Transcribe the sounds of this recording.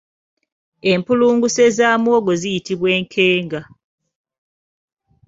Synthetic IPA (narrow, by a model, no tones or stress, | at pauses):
e̞mpuluːŋɡuse̞zaːmwo̞ːɡo̞zijitiβwe̞ːŋkʰe̞ːŋɡa